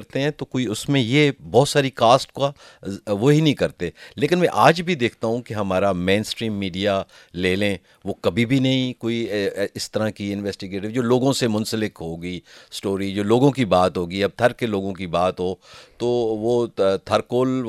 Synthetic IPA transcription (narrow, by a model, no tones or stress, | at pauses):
ɾt̪eɦɛ̃t̪okoːiʊsmẽjebɔːt̪saːɾikaːsʈka | ʋoɦinɐɦĩkɐɾt̪eleːkɪnmɛ̃ʔaːd͡ʒbʱid̪eːk̚ʰt̪aɦũkeɦɐmaːɾamẽːnsʈɾiːmːiːɖija | leːlẽ | ʋoːkɐbʱibʱinɐɦĩkoːiɪst̪ɐɾãkiɪnʋɛːsʈɪɡeːʈɪʋd͡ʒoːloːɡõsemʊ̃nsəlɪkɦoːɡiːsʈoːɾid͡ʒoːloːɡõkibaːt̪ɦoːɡiɐb̚t̪ʰɐɾkeloːɡõk̬ibaːt̪ɦoːt̪oːʋoːt̪ʰɐɾkoːl